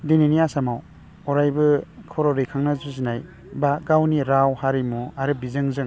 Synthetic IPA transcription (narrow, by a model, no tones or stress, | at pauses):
deniniasamaw | ɔɾajbɯkʰɔɾɔɾijkʰaŋnazuzinaj | baɡawniɾawhaɾimuaɾɯbizɯŋzɯŋ